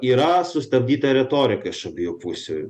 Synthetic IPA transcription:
iːɾɐsʊst̪ɐbʲd̪ʲiːt̪ɐɾʲɛt̪oːɾʲɪkɐʃɐbʲɪjupʊsʲo̰jʊ̰

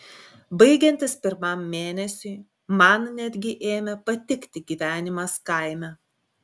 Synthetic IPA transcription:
bɐɪɡʲɛnʲt̪ʲɪspʲɪɾmɐmːʲeːnʲɛsʲʊɪ | mɐnnʲɛd̪ʲɡʲɪʔeːmʲɛpɐt̪ʲɪkʲt̪ʲɪɡʲiːʋʲæːnʲɪmɑskɐˑɪmʲɛː

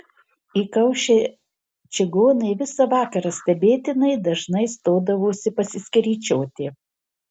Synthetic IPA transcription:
iːkɐʊʃʲe | t͡ʃʲɪɡoːnɐɪʋʲɪsɐʋɑːkɐɾɐsʲt̪ʲɛbʲeːt̪ʲɪnɐɪd̪ɐʒnɐɪst̪oːd̪ɐʋoːsʲɪpɐsʲɪsʲkʲɪɾʲiːt͡ʃʲoːt̪ʲeː

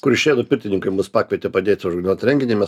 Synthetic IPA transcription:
kʊɾɪʃʲeːd̪opʲɪɾʲt̪ʲɪnʲɪŋkɐɪmʊspɑːkʋʲiɛt̪ʲɛpɐd̪ʲeːt̪ʲsʊʒʊɡʲnʲuɔt̪ʲɾʲɛŋʲɡʲɪnʲɪmʲɛs

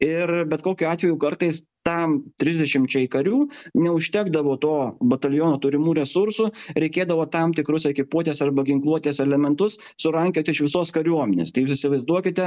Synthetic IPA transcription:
ɪɾbʲɛt̪koːkʲuɑːt̪ʲʋʲɛjuːkɐrt̪ɐɪs | t̪ɐmt̪ʲɾʲɪzʲdʲɛʃʲɪmt͡ʃʲɛɪkɐɾʲuːnʲɛʊʃʲt̪ʲæɡd̪ɐʋoːt̪oːbɐt̪ɐlʲɪjoːnoːt̪ʊɾʲɪmuːɾʲɛsʊɾsʊɾʲɛɪkʲeːd̪ɐʋoːt̪ɐmt̪ʲɪkɾʊsɛkʲɪpuɔt̪ʲeːsɐrbɐɡʲɪŋklˠuɔt̪ʲeːsɛlʲɛmʲɛnt̪ʊs | sʊɾɐŋʲkʲoːt̪ʲɪʃʋʲɪsoːskɐɾʲuɔmʲɛnʲḛːst̪ɐɪjuːsɪsʲɪʋɐɪzd̪uɔkʲɪt̪ʲɛ

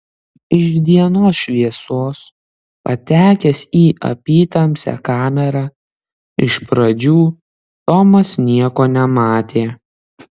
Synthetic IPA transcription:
ɪʃd̪ʲiɛnoːsʃʲʋʲiɛsoːs | pɐt̪ʲæːkʲɛsʲiːʔɐ̰pʲiːt̪ɐmʲsʲɛ̰kɑːmʲɛɾɑ | ɪʃpɾɐd͡ʒʲuː | t̪ɔmɐsnʲiɛkoːnʲɛmɑːt̪ʲeː

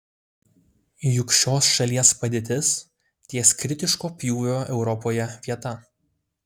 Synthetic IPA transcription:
jʊkʃʲt͡ʃʲoːsʃɐlʲiɛspɐd̪ʲeːt̪ʲɪs | t̪ʲiɛskɾʲɪt̪ʲɪʃkoːpʲjuːʋʲoːʔɛʊɾɔpoːjɛʋʲiɛt̪ɐ

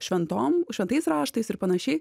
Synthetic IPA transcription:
ʃʲʋʲɛnt̪oːmʃʲʋʲɛnt̪ɐɪsɾɑːʃt̪ɐɪsɪɾpɐnɐʃʲɛɪ

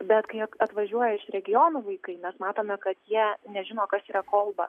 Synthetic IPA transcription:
bʲɛt̪kɐɪɐt̪ʋɐʒʲuɔjɛɪʃɾʲɛɡʲɪjoːnuːʋɐɪkɐɪmʲɛsmɑːt̪oːmʲɛkɐt̪jiɛnʲɛʒʲɪnoːkɐsiːɾɐkolˠbɐ

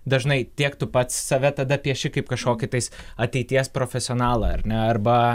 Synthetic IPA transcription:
d̪ɐʒnɐɪt̪ʲiɛkt̪ʊpɐt̪ssɐʋʲɛt̪ɐd̪ɐpʲiɛʃʲɪkɐɪpkɐʃkoːkʲɪt̪ɐɪsɐt̪ʲɛɪt̪ʲiɛspɾoːfʲɛsʲɪoːnɑːlˠɐɐɾʲnʲɛɐrbɐ

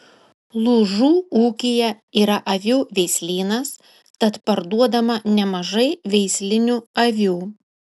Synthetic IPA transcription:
lˠuːʒuːuːkʲijɛ | iːɾɐʔɐʋʲuːʋʲɛɪsʲlʲiːnɐs | t̪ɐt̪pɐɾd̪uɔd̪ɐmɐnʲɛmɐʒɐɪʋʲɛɪsʲlʲɪnʲuːɐʋʲuː

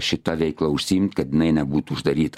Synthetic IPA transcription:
ʃit̪ɐʋʲejklˠɐuʃsʲiːmt̪kɐd̪ʲnɐjnɛbut̪uʒd̪ɐɾʲiːt̪

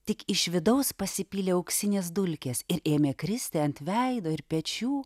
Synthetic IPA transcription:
t̪ʲɪkɪʃʋʲɪd̪ɐʊspɐsʲɪpʲiːlʲeːʊksʲɪnʲeːsd̪ʊlʲkʲeːsɪɾeːmʲeːkɾʲɪsʲt̪ʲɛɪɐnʲt̪ʲʋʲɛɪd̪oːɪɾpʲɛt͡ʃʲuː

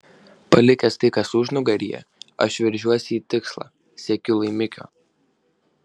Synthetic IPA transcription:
pɐlʲɪkʲɛst̪ɐɪkɐsʊʒnʊɡɐɾʲijɛ̰ɐ̰ʃʲʋʲɛɾʲʒʲuɔsʲɪiːt̪ʲɪkslˠɑ̰ː | sʲɛkʲʊlˠɐɪmʲɪkʲo̰ː

